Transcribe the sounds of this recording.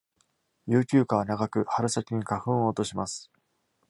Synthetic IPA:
jɯːkʲɨːkaβ̞anaɡakɯ̟haɾɯ̟sakʲiɲ̟ikaɸɯ̟̃ɰ̃oːt̪o̞ɕimasɨ̥

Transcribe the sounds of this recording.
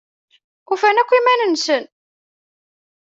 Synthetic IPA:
ufænækʷːimænənsən

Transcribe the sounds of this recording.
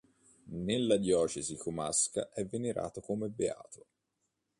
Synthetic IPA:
nelːad̪jɔːt͡ʃezikoma̰ska̰ʔɛvːeneɾʔa̰ːt̪okomebea̰ːt̪o

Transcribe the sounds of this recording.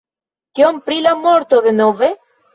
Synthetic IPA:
kiompɾilamoɾt̪oðenove

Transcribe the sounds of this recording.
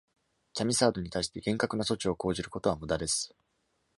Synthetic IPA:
kʲamʲisaːd̪o̞ɲ̟it̪aiɕi̥t̪e̞ɡẽ̞ŋkakɯ̟naso̞t͡ɕio̞ko̞ːʑiɾɯ̟ko̞t̪oamɯ̟d̪ad̪e̞sɨ̥

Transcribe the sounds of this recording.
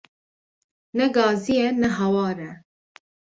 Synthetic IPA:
nɛɡɑːzijɛnɛɦɛwɑːɾɛ

